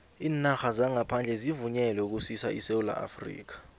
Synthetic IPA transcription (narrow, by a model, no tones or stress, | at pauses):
iːnaxazaŋapʰand͡ɮʱɛzivuɲɛlɛuk̬usisa̰ʔḭseula̰ʔa̰frḭːk̬ḁ